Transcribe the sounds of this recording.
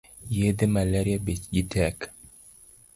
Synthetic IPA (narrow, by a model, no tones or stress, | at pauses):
jed̪emaleɾiabet͡ʃɡitʰɛk